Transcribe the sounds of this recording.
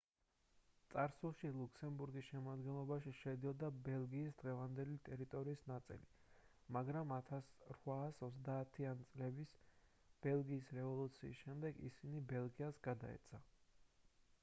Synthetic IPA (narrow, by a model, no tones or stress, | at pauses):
t̪sʼaɾsulˠʃilˠuksɛmbuɾɡisʃɛmad̪ɡɛnlˠɔbaʃiʃɛd̪iɔd̪abɛlˠɡiːsd̪ʁɛvand̪ɛlit̪ʼɛɾit̪ʼɔɾiːsnat̪sʼḭli | maɡɾamat̪ʰasɾwaːsɔt̪zd̪aːt̪ʰianit̪sʼlɛbis | b̥ɛlˠɡiːsɾɛvɔlˠut̪sʰiːsʃɛmd̪ɛɡḭsinibɛlˠɡiasɡad̪a̰ɛ̰t̪sʰa